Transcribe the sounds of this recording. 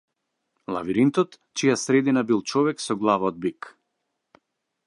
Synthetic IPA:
lˠa̰viɾint̪ɔt̪ | t͡ʃijasɾɛd̪inabilˠt͡ʃɔvɛksɔɡlˠavaɔd̪̚bik

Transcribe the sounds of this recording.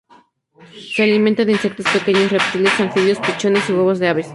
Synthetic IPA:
sealimẽnt̪aðeinse̞k̚t̪ospekeɲosirep̚t̪ilesanfiðjospit͡ʃo̞ne̞siwoβo̞zðeaβes

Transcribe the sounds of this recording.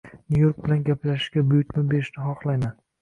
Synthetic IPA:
nʲujoɾk̚bɪlanɡʲaplaʃɪ̥ʃɡʲabʊjʊkʲmɪbe̞ɾɪʃnɪχɒχlˠajman

